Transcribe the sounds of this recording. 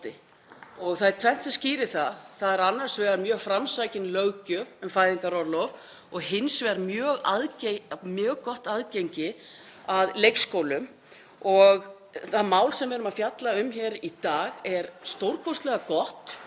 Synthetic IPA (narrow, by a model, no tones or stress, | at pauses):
t̪ɪ | ɔɣθaðjt̪ʰvɛn̥t̪sasciːɾɪθaθaðɛɾanːar̥svɛɣaɾmjœːɣfɾamsaːjcɪnlœɣcʏʏmfaːjðɪŋkaɾɔɾlɔv | ɔɣhɪnsvɛɾmjœːɣaðcmjœːɣkɔht̪aðcejɲcɪ | aðlejkskoːwlʏm | ɔɣ | θamaːwlsɛmvɛɾʏmaðfjat̪laʏmçɛɾit̪aːɣɛɾst̪owɾkʰɔst̪lɛɣakɔht̪